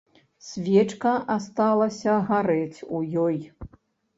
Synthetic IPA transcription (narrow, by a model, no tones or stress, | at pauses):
sʲvʲɛt͡ʂkɐast̪alˠɐsʲɐɣaɾɛt͡sʲujɔj